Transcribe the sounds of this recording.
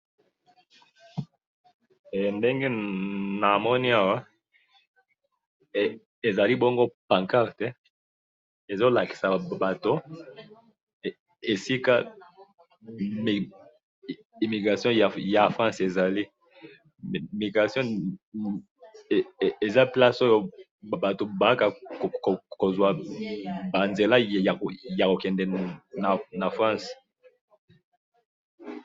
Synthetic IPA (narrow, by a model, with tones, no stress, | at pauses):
ɛ˨nde˦ŋɡe˦na˨mɔ˦ni˦a˨wa˦ | e˨za˨li˦bo˦ŋɡo˦pã˨ŋka˦ʁtɛ˦ | e˨zo˦la˨ki̥˨sa˨ba˨to˦ | e˨si˦ka˦ | i˨mi˨ɡʁa˨sjɔ̃˦ja˨ja˨fʁɑ̃˦se˨za˨li˦˨ | mi˨ɡʁa˨sjɔ̃˦˨ | e˨za˦pla˦so˦jo˨ | ba˨to˨ba˨˦ka˨ | ko˨zwa˨ | ba˨nze˨la˦ja˨ja˨ko˨kɛ˨ndɛ˨na˨na˨fʁɑ̃˦s